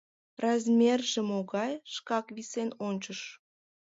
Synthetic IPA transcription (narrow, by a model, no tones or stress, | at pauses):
rɑzmʲerʒĕmoɣɑjʃkɑkβisenonʲt͡ɕəʃ